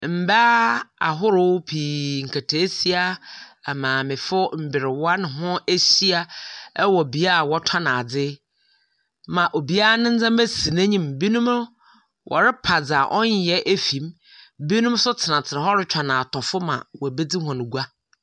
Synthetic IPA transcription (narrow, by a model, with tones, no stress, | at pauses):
m̩˨ba˦a̰˨ɦʊ˦ɾʊ˦pʰiː˨ŋ̩˨kʰa˨tʰe˨˦si˦a˦ɛ˨mãː˨mɪ̃˨fʊ˦m̩˨bɪ˨ɾɪ˨wa˦nɪ̃˨ɦʊ̃˦e˦si˦a˦ɛ˦wɔ˨bi˨a˦a˨wɔ˦tʰa˦nã˨a˨d͡zɪ˦ | mã˨ʔo˨bi˨˦a˦nɪ̃˦n̩˦d͡zã˦m˦be˦si˨nã˦ɲĩ˦mbi˦nũ˦m˦ | wʔɔ̰˨ɾɪ˦pʰa˨d͡za˨ʔɔ˦ɲ˦jɛ˦ʔe˦fĩ˨m | bi˦nũ˦m˦sʊ˦tʰɪ˨nã˨t͡sʰɪ˨nã˨ɦɔ˦ɾɪ˦t͡ɕʰᶣa˨nã˨a˨tʰɔ˨fʊ˦mã̰˨wɔ˨be˦d͡zi˦ɦɔ̃˨nʊ̃˨ɡu˦a˦